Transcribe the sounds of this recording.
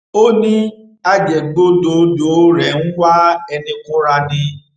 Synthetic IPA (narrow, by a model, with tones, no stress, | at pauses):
o˦nĩ˦ | a˧d͡ʒɛ˨ɡ͡bo˦do˨do˨˦ɾɛ˨nũ˦wa˦ɛ˧nĩ˧kõ˦ɾa˧nĩ˧